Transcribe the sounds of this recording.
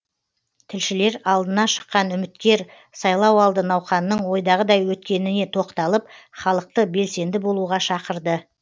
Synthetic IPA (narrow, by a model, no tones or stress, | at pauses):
t̪ʰɪlʃɪle̞ɾɑlˠd̪ənɑʃə̥qːɑnʏmɪt̪kʲe̞ɾ | sɑjlˠɑwɑlˠd̪ənɑwχɑnːəɴwo̞jd̪ɑʁəd̪ɑjwɵt̪kʲe̞nɪne̞t̪ʰo̞qt̪ɑlˠəpχɑlˠəq̚t̪əbe̞lse̞nd̪ɪbo̞lˠuʁɑʃɑqəɾd̪ə